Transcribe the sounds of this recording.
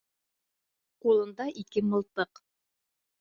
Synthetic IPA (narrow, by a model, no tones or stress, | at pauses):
qulˠɤ̆nd̪ɑʔikɘmɤ̆lˠt̪ɤq